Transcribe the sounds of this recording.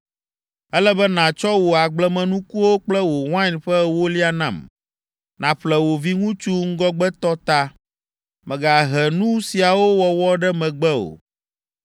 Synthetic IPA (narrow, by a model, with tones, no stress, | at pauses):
ɛ˦lɛ˦bɛ˦nã˨t͡ʃɔ˦wo˨a˨ɡ͡blɛ˦mɛ̃˨nũ˦ku˦wo˦k͡plɛ˦wo˨wã˦ɲɸɛ˦wo˦li˦a˨nã̰˨m | nã˨ɸlɛ˨wo˨vi˦ŋũ˦t͡ʃu˦ŋ̩˦ɡɔ˦ɡ͡bɛ˦t̪ɔ˦t̪a˦ | mɛ̃˨ɡa˨ɦɛ˨nũ˦si˨a˨wo˦wɔ˨wɔ˦ɖɛ˦mɛ̃˨ɡ͡bɛ˦o̰˨